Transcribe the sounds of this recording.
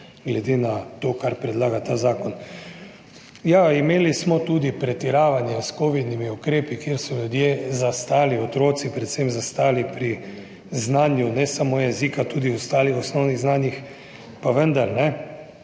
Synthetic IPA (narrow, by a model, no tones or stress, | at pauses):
ɡlɛd̪eːnat̪oːkaɾpɾɛd̪laːɡat̪aːzaːkɔn | jaimeːlismɔt̪uːd̪ipɾɛt̪iɾaːʋanjɛskoʋid̪nimiukɾeːpikjeɾsɔlud̪jezast̪aːliɔt̪ɾoːt̪sipɾɛt̪semzast̪aːlipɾi | znaːnjunɛsamojɛzikat̪uːd̪iɔst̪aːlixɔsnɔwniɣznaːnjix | paʋənd̪aɾnɛ